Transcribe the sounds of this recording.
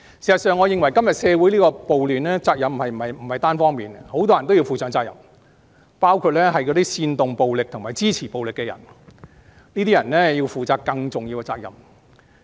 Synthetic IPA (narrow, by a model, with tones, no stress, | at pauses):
siː˨˩sɐ˨˩tsœː˨ŋːɔː˨˧jɪ˨˧ŋwɐ˨˩jkɐ˥mjɐ˨t̚sɛː˨˧wu˨˥jliː˥kɔː˧po˨wlyː˨nlɛː˥t͡saː˧k̚jɐ˨m˩hɐ˨jm̩˨˩hɐ˨jm̩˨˩hɐ˨jt̪aː˥nfɔː˥ŋmiː˨nho˨˥wt̪ɔː˥jɐ˨˩nt̪o˥wji˧wfuː˨˩sœː˨˥ŋt͡saː˧k̚jɐ̰˨˩m | paː˥wkʰu˧t̚lɛː˥ɦɐ˨jkɔː˨˧t̪iː˥siː˧nt̪ʊ˨ŋpo˨wlɪ˨k̚t̪ʰʊ˨˩ŋmaː˨˩jt͡siː˥t͡sʰiː˨˩po˨wlɪ˨kːɛ˧jɐ̰˨˩n | niː˥t̪iː˥jɐ˨˩nlɛ˥ji˧wfuː˨t͡saː˨˧kkɐ˧ŋt͡sʊ˨ŋji˧wkɛ˧t͡saː˧˥k̚jɐ̰˨m